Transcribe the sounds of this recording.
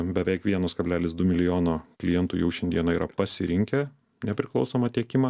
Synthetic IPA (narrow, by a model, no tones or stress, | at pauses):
bʲɛʋʲɛɪkʋʲiɛnoːskɐbʲlʲæːlʲɪsd̪ʊmʲɪlʲɪjoːnoːklʲɪjɛnt̪ʊjɛʊʃʲɛnd̪ʲiɛnɐiːɾʔɐ̰pɐsʲɪɾʲɪŋʲkʲɛ | nʲɛpʲɾʲɪklˠɒʊsoːmɐt̪ʲiɛkʲɪmɑ